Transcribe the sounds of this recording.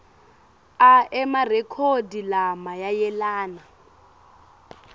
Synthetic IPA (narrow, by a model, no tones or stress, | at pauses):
aɛmarɛkʰodilamajajɛlaːna